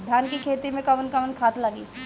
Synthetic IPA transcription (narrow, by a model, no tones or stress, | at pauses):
d̪ʱjaːnkikʰeːt̪imẽkɐʋənkɐʋənkʰaːt̪laɡḭː